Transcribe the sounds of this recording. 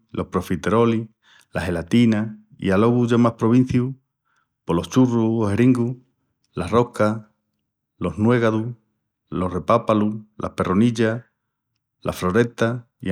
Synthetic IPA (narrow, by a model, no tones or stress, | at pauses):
lʔo̞hpɾo̞fit̪eɾo̞li | lʔaɦe̞lat̪ina | ḭalo̞ɣuʝamahpɾo̞β̞in̟θju | polo̞ht͡ʃuruoheɾiŋɡu | laro̞ka | lo̞ɦnwe̞ɣaðu | lo̞re̞papalulʔa̰hpe̞roniʎa | lʔa̰flo̞ɾe̞t̪a | ḭ